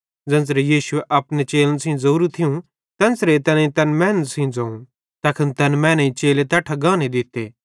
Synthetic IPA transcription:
d͡zɐ̃ns̬ɾejiːʃʊeʔɐpnet͡ʃeːlənsĩːzɐuːɾut̪ʰijũ | t̪ɐnsɾet̪ɐnĩt̪ɐnmɛ̃ːntsĩːd͡zɐːũ | t̪ɐkʰənt̪ɐnmɛ̃ːnɐĩt͡ʃeːlet̪ɐːʈʰaɡaːned̪ɪt̪ːḛː

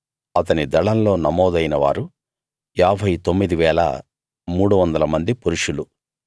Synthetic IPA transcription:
ɐt̪ɐnid̪ɐɭɐnlo̞ːnɐmɔːd̪ɐjnɐʋa̰ːɾu | aːbʱɐjt̪omːid̪iʋɛːɭɐ̰ | muːɽuʋɐnd̪ɐlɐmɐnd̪ipuɾuʂulu

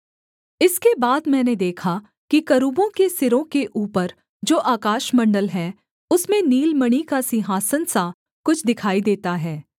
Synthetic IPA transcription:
ɪskebaːd̪mɛ̃ːned̪eːkʰa | kikɐɾuːbõkesɪɾõkeʔuːpəɾ | d͡ʒoːʔaːkaːʃmɐ̃ɳɖəlɦɛː | ʊsmẽniːlməɽ̃ikasɪɦaːsənsa | kʊt͡ʃʰd̪ɪkʰaːid̪eːt̪aɦɛː

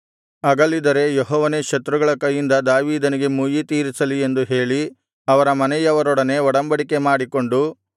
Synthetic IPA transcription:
ɐɡɐlːid̪ɐɾe̞jɔɦɔːʋɐnekʃɐt̪ɾuɡɐɭɐkɐjːind̪ɐd̪aːʋiːd̪ɐniɡe̞muːjit̪iːɾisɐlie̞nd̪uɦe̞ːɭi | ɐʋɐɾɐmɐnɛjɐʋɐɾɔɽɐne̞ɔɽɐmbɐɽike̞maːɽiko̞ɳɖu

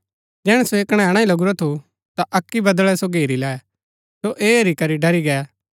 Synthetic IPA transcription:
d͡ʒɛːɽ̃ɛsoeːkɽ̃ɛ̃ɽ̃ãĩlɐɡuɾɔt̪ʰu | t̪aʔɐkːibɐd̪ɭɛsoɡeːɾilɛː | soʔeːɐɾikɐɾiɖɐɾiɡɛː

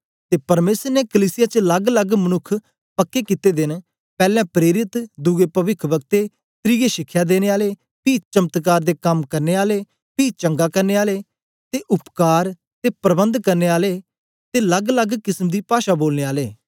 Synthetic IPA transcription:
t̪eːpəɾmeːsəɾnekəliːsɪjaːt͡ʃələɡləɡmənʊkʰː | pəkːekɪt̪eːd̪ɪn | pɛːlɛ̃ːpɾeːɾɪt̪d̪uɡepəʋɪkʰbəɡ̚t̪e | sɾiːɡeʃɪkʰːjaːd̪eːneːaːleː | piːt͡ʃəmt̪k̬aːɾd̪eːkɐmkəɾneːaːleː | piːt͡ʃə̃ŋɡaːkəɾneːaːleː | t̪eːʔʊpkaːɾ | t̪eːpɾəbə̃nd̪kəɾneːaːleː | t̪eːləɡləɡkɪsmd̪iːpaːʃaːboːlneːaːleː

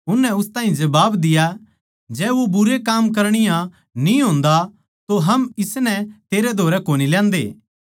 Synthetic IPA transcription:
ʊnːɛʊst̪aːɦĩd͡ʒɐbaːbd̪ɪja | d͡ʒɛːʋobʊɾekaːmk̬ɐɾɽ̃ɪjã | nĩɦõːnd̪a | t̪oɦɐmɪsnɛt̪eːɾed̪ʱoːɾɛkoːnilɛ̃ːnd̪ḛː

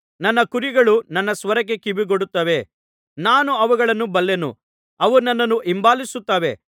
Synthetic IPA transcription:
nɐnːɐkuɾiɡɐɭunɐnːɐsʋɐɾɐk̬ekibiɡoɽut̪ːɐʋe̞ | naːnuɐʋuɡɐɭɐnːubɐlːenṵ | ɐʋunɐnːɐnːuʔimbaːlisut̪ːɐʋe̞̰

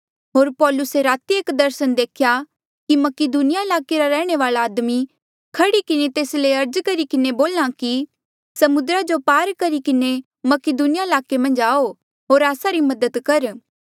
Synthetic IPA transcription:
ɦoːɾpɔːlʊseɾaːt̪ieːkd̪ɐɾsənd̪eːkʰja | kimɐkɪd̪uːnɪjaɪlaːkeɾaɾɛːɽ̃eʋaːlaaːd̪mi | kʰɐɽikɪnet̪eːsleɐɾd͡ʒkɐɾikɪneboːlːãki | sɐmʊd̪ɾad͡ʒopaːɾkɐɾikɪne | mɐkɪd̪unɪjaɪlaːkemɐ̃nd͡ʒaːo | ɦoːɾaːsaɾimɐd̪əd̪kɐɾ

